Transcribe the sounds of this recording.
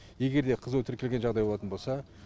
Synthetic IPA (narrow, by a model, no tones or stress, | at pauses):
je̞ɡʲe̞ɾd̪e̞qʰəzuwt̪ʰɪɾkʲe̞lʲɡʲenʒɑʁd̪ɑjboɑt̪ənbo̞lˠsɑ